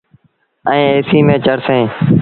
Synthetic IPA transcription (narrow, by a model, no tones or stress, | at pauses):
ə̃ːeːsiːmẽːt͡ʃəɾsẽː